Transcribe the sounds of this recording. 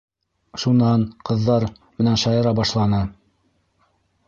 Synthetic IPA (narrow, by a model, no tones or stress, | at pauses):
ʃunɑɴqɤ̆ðːɑɾ | mɘ̆nænʃɑjɤ̆ɾɑbɑʃlˠɑnɤ